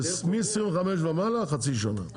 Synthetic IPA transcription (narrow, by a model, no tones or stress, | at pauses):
smismxamɛʃvamalaxat͡sʰiʃ̬ana̰